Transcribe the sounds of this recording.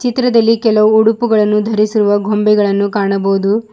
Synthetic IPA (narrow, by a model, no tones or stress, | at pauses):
t͡ʃit̪ɾɐd̪ɐlːikɛlɐʋuuɽupuɡɐɭɐnːud̪ʱɐɾisiɾuʋɐɡʱombɛɡɐɭɐnːukaːɳɐbɐwud̪u